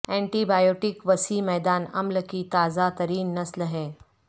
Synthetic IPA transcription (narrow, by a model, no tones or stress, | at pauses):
ɛ̃ːɳʈibaːjoːʈɪkʋɐsiːmɛːd̪aːnɐ̰mlkit̪aːzat̪ɐɾiːnːɐslɦɛ̃ː